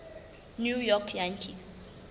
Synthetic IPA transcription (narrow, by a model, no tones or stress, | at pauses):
njujɔkʰjantʰis